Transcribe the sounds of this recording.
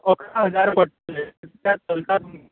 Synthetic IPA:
əkʰaɦəd͡zaɾpəʈːəlet̪jat̪əlt̪at̪mu

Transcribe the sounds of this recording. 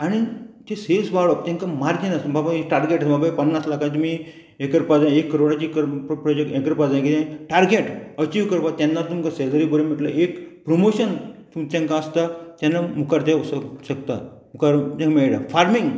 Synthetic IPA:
aɽ̃it̪esesʋaɭɔp̚t̪ɛ̃ŋkamaɾd͡ʑinast̪ubabaeʈaɾɡeʈasbabapənːaslakãnt̪umi | ekəɾpad͡zãekːəɾoɽat͡ɕikəɾpɾɔd͡ʑekʈekəɾpad͡zãjkit̪ẽʈaɾɡeʈət͡ɕiːʋkəɾpat̪janːat̪umkased̪əɾibəɾemiʈla̰ʔekpɾomoɕənt̪umt͡ɕãŋkaəst̪at̪janːamukaɾt̪asəɕəkt̪a̰mukaɾt̪ɛ̃ŋmeɭɽafaɾmiŋɡ

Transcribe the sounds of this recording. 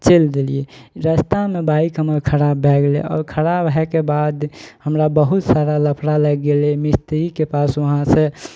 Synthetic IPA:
t͡ʃeld̪elieɾəst̪amebaikɦəməɾkʰəɾabːʱɛɡlḛɔ̰ɾkʰəɾabɦɛkebad̪həmɾabəɦut̪saɾaləpʰɾalɛɡɡelemist̪ɾikepasoɦãsẽ

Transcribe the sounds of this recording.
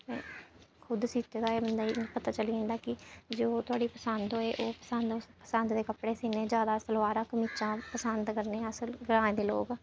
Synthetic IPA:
t̪ḛ̃ːkʰʊd̪siːt̪eːd̪aːeːbənd̪aːipət̪aːt͡ʃəliːẽːnd̪aːkɪd͡ʒoːt̪ʊaːɖiːpəsənd̪ɦoːeːʔoːpəsənd̪pəsənd̪d̪eːkəpɽeːsiːnẽːd͡ʒjaːd̪aːsəlʋaːɾaːkəmiːt͡ʃãːpəsənd̪kəɾnẽːəsəlɡɾãːẽːd̪eːloːɡ

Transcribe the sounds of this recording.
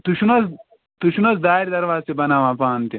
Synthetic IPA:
t̪uʃunɐs | t̪uʃunɐsd̪aːiɾd̪ɐɾʋaːsibɐnaːmãːpaːnt̪i

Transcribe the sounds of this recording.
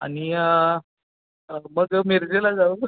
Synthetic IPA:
a̰ñi | əməɡmiɾd͡ʑelad͡zau

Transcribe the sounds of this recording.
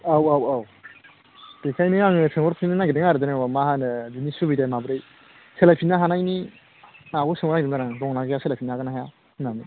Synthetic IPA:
awawaw | pekʰajnɯaŋɯsɯŋɔɾpʰinɯnaɡideŋaɾɯdɯnɯbamahanɯdinisubidajmabɯɾej | selajpʰinaɦanajni | naɡusɯŋɔɾnaɡidɯdaɾaŋdɔŋnaɡejaselapʰinaaɡɯnaɦaja | nani

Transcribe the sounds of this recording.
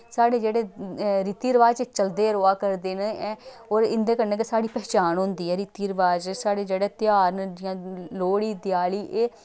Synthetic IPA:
saːɽeːd͡ʒeːɽeːɾiːt̪iːɾəʋaːd͡ʒt͡ʃt͡ʃəld̪eːɾoːaːkəɾd̪eːneɛː | oːɾɪnd̪ẽːkəɾnẽːkesaːɽiːpɛːt͡ʃaːnɦʊ̃nd̪iːɛːɾit̪iːɾəʋaːd͡ʒsaːɽeːd͡ʒeːɽeːt̪ɪjaːɾnjãːloːɽiːd̪ɪjaːliːʔeː

